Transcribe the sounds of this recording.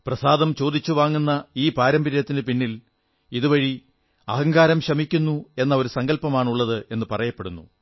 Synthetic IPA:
prɐsaːd̪ɐmt͡ɕo̞ːd̪it͡ɕːuʋaːŋːunːɐiːpaːɾɐmbɐɾjɐt̪ːindɨpinːil | iðuʋɐɻi | ɐɦɐŋɡaːɾɐmɕɐmikʲːunːue̞nːɐo̞ɾusɐŋɡɐlpɐmaːɳuɭːɐðɨe̞nːɨpɐrɐjɐpːeɽunːṵ

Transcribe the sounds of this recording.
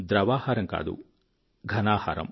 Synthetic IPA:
d̪ɾɐʋaːhaɾɐŋka̰ːd̪ṵ | ɡʱɐnaːhaːɾɐ̰m

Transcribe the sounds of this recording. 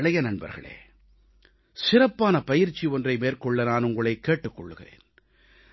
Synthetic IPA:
ɭɐjɐnɐnbɐ̰ɾɣɐ̰ɭḛː | sɪrɐpːaːnɐpɐjɪɾt͡ʃːiɔndrɐɪmeːɾkɔɭːɐnaːnʊŋɡɐɭɐɪkːeːʈːɯkːɔɭːɯɣɪrḛːn

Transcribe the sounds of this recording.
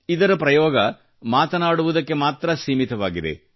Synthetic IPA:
id̪ɐɾɐpɾɐjɔːɡɐ | maːt̪ɐnaːɽuʋud̪ɐkːe̞maːt̪ɾɐsiːmit̪ɐʋaːɡid̪ḛ

